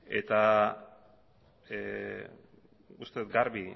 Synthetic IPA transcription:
e̞̰t̪a | ust̪eut̪̚ɡaɾβi

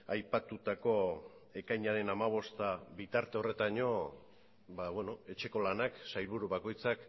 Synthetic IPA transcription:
ajpat̪ut̪ako̞ | e̞kajɲaɾe̞namaβ̞o̞st̪aβit̪aɾt̪e̞o̞re̞t̪aɲo̞ | baβweno̞e̞t͡ʃe̞ko̞lanaksajlβ̞uɾuβako̞jt͡sak

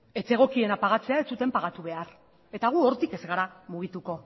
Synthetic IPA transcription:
e̞t͡se̞ɣ̞o̞kie̞napaɣ̞at͡se̞aet͡sut̪e̞mpaɣ̞at̪uβe̞aɾ | e̞t̪aɣ̞uoɾt̪ike̞zɣaɾamuɣ̞it̪uko̞

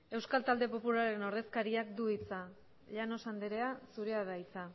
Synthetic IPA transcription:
e̞wskalt̪ald̪e̞po̞pulaɾe̞no̞ɾðe̞skaɾiakd̪uit͡sa | ʎano̞sand̪eɾe̞asuɾe̞aðait͡sa

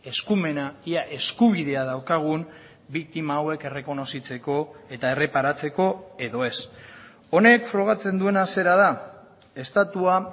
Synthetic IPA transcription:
e̞skume̞naiaʔe̞skuβ̞ið̞e̞aðawkaɣ̞un | bik̚t̪imaːwe̞ke̞re̞ko̞no̞sit͡se̞ko̞e̞t̪ae̞re̞paɾat͡se̞ko̞e̞ðo̞e̞s | o̞ne̞kfɾo̞ɣ̞at͡se̞nd̪ue̞nase̞ɾað̞a | e̞st̪at̪ua

